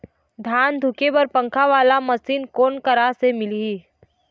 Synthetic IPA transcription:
d̪ʱaːnd̪ʱʊkebɐɾpɐ̃ŋkʰaʋaːlamɐsiːnkoːnkɐɾasemɪliiː

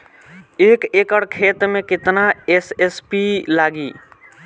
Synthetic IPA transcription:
ekekəɽkʰet̪mekɪt̪naesespilaɡi

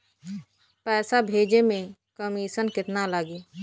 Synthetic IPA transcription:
pɛːsabʱeːd͡ʒemẽkəmiːʃənkɪt̪nalaɡiː

